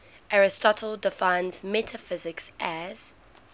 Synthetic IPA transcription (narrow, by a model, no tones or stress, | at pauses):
ʔaɹɪstɔtʰəlˠdɪfãɪ̃nzmɛtʰəfɪzɪksʔæz̥